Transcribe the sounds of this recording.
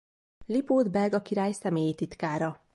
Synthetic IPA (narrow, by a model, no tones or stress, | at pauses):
lipoːd̪bɛrɡɒkiɾaːjsɛmeːjit̪it̪kaːɾɒ